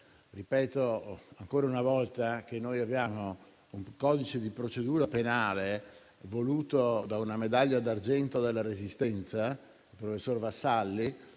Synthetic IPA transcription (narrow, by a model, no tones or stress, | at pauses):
ripɛːt̪oaŋkoːɾaunavɔlt̪ak̟enːojabjaːmo | uŋkɔːd̪it͡ʃed̪ipɾot͡ʃed̪uːɾapenaːle | voluːt̪od̪aunamed̪aʎːad̪ard͡ʒɛnt̪od̪elːaɾezist̪ɛnt̪sa | ilpɾofesːorvasːalːi